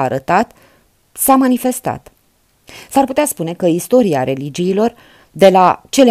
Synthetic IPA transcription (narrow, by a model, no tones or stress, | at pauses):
aɾət̪at̪ | samanife̞st̪a̰t̪ | sarput̪easpune̞kəist̪o̞ɾiaɾe̞lid͡ʒiːlo̞r | d̪e̞lat͡ʃe̞le